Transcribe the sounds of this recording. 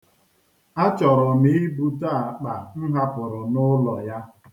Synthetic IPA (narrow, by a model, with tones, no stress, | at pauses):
a˦t͡ʃɔ˨ɾɔ˨mi˦bu˦ta˦˨a˨k͡pa˨n̩˦ɦa˦pʊ˨ɾʊ˨nʊ˦lɔ˨ja˦